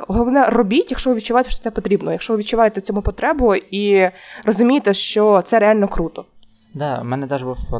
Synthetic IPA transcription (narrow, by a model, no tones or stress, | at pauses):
ɔlɔlˠɔʋnɛrɔbʲitʲjɐkʃɔʋɪʋʲid̪t͡ʃːʊʋajt̪ɛʃt͡ʃɔ̥t̪ɛpɔt̪ɾʲibnɔɔjɐkʃɔʋɪʋʲd̪̚t͡ʃːʊʋajet̪ɛt͡sʲɔmupɔt̪ɾɛbɔirɔzʊmʲijet̪ɛʃt͡ʃɔt̪sɛɾealʲnɔkɾut̪ɔ | d̪ɑmɛnɛd̪ɛʒbuw